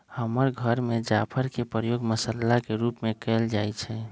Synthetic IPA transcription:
həməɾɡʱəɾmed͡ʒapʰəɾkepɾəjoɡməsəlːakeɾupmekɛld͡ʒajt͡ʃʰɛ

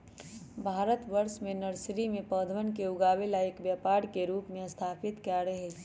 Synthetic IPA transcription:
bʱaːɾət̪ʋəɾsmenəɾsɾimepəd̪ʱʋənkeʊɡaːbelaekbjapaɾkeɾuːpmeəst̪ʰapʰit̪kaɾəɦɛ

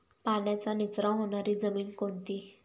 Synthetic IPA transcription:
panjat͡sanit͡sɾãɦonaɾid͡zəmiːnkont̪i

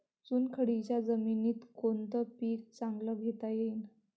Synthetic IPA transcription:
t͡suːnkʰəɽit͡ɕjad͡zəminiːt̪kont̪əpiːk̚t͡saŋɡləɡʱet̪ajein

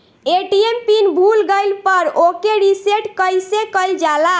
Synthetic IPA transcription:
eʈiempinbʱulɡəjlpəɾokeɾiseʈkəjsekəjld͡ʒala

